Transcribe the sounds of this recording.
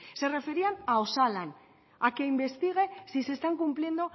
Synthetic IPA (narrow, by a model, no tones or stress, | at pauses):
se̞re̞fe̞ɾianao̞salan | ake̞imbe̞st̪iɣ̞e̞sise̞st̪aŋkumplje̞nd̪o